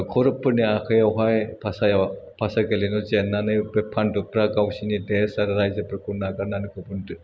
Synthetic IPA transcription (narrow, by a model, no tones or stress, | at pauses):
kʰɔɾɯpːɯniakʰɯjawɦajpʰasajapʰasaɡelinɔzenːanɯjbepʰːandɯpɾaɡawsinidesaɾɯɾajzɐpɾkʰunːaɡananɯkʰɯbɯntɯ